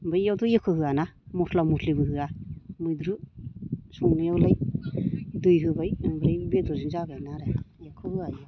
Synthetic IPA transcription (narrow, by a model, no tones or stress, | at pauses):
bajawtʰɔjekʰɯhɯanamɔtʰlamutʰlibɯɦɯamujdɾu | sɔŋnajawlaj | dujɦɯbajbɾajbedɔzinzabanaɾaajekʰɯhɯaja